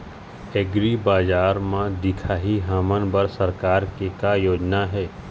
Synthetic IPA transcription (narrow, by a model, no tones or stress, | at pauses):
eɡɾibaːd͡ʒaːɾmãd̪ɪkʰaːɦiɦaːmənbəɾsɐɾkaːɾkekajoːd͡ʒnaɦɛː